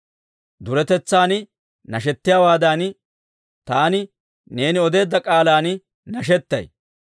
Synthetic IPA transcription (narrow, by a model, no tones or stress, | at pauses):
d̪ʊɾɛt̪ɛt͡sːaːnɪ | nɐʃ̬ɛt̪ːɪjaːwaːd̪an | t̪aːnɪ | ne̞ːnɪɔd̪e̞ːd̪ːɐkʼaːlaːnɪ | nɐʃ̬ɛt̪ːɐ̰j